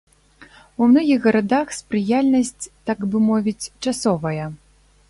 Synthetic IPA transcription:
umnɔɣʲiɣɣɐɾad̪axspɾɨjalʲnɐsʲt͡sʲt̪aɡbɨmɔvʲit͡sʲt͡ʂasɔvɐjɐ

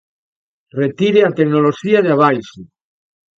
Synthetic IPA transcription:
ret̪iɾeat̪eknoloʃiaðeaβajse

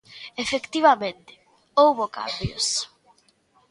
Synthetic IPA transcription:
efekt̪iβamẽnt̪ɪ̥ | owβoka̰mbjo̰s

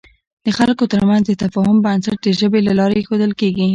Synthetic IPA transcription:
d̪̥əxalkot̪əɾmanzd̪ət̪afɑɦʊmbansaʈ̚d̪əʒəbelalɑɾexod̪əlkeɡi

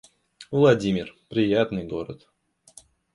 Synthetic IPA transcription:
vlˠɐdʲimʲɪrpɾʲɪjat̪nɨjɡo̞ɾə̰t̪

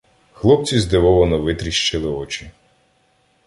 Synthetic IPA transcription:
xlˠɔp̚t͡sʲizd̪ɪʋɔʋɔnɔʋɪt̪ɾʲiʃt͡ʃɪlˠɪɔt͡ʃi

